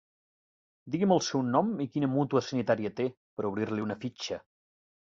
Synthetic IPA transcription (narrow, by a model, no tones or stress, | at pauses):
d̪iɣiməlˠsɛwnɔmikinəmut̪uəsənit̪aɾiət̪e | pəɾuβɾiɾliunəfit͡ʃə